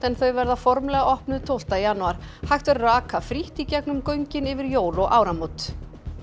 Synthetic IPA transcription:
ɛnθœɥvɛɾðafɔɾmlɛɣaʔɔhpnʏðt̪ʰowl̥t̪ajanːuaɾ̥hajxt̪vɛɾraːkʰafɾiht̪icɛknʏmkœɥɲcɪnɪvɪɾjoːwlɔɣʔaːwɾamowt̪

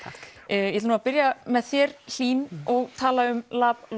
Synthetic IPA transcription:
jɛt̪nuːapɪɾjamɛðθjɛɾl̥iːnɔɣt̪ʰaːlaʏmlaːpl

